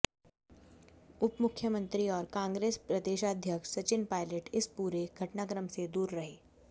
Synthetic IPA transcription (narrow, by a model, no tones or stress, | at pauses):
ʊpmʊkʰːjəmə̃nt̪ɾiɔːɾkãːŋɡɾeːspɾɐd̪eːʃaːd̪ʱjəkʃsɐt͡ʃɪnpaːɪləʈɪspuːɾeɡʱɐʈnaːkɾəmsed̪uːɾːɐɦeː